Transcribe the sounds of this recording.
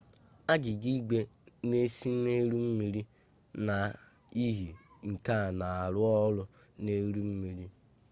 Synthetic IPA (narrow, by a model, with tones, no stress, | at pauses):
a˦ɡɪ˨ɡi˦ɡ͡be˦ne˦si˦ne˦ɾu˦m̩˦mi˦ɾi˦ | na˨ | i˦ɦi˨ŋ̩˨ka˦˨na˨a˨ɾʊ˦ɔ˦lʊ˦ | ne˦ɾu˦m̩˦mi˨ɾi˦